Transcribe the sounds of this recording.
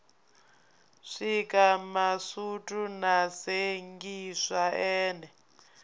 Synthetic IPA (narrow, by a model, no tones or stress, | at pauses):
ʂikamasutʼunaseŋɡiʂaɛːnɛ